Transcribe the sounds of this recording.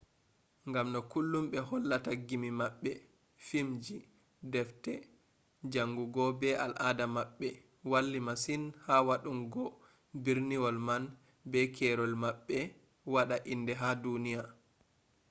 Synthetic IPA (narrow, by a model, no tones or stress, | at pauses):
ŋɡamnɔkulːumɓɛhɔlːataɡimimaɓːɛ | fimd͡ʒi | dɛftɛ | d͡ʒaŋɡuɡɔbɛa̰lʔadamaɓːɛ | walːimasinhawaɗumɡɔ | biɾniwɔlman | bɛkʰɛɾɔlmaɓːɛ | waɗaʔindɛɦadunija